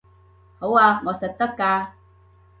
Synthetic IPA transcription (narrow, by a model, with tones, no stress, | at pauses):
ho˨˦waː˧ŋɔ˨sɐ˨t̚t̪ɐ˦kːaː˧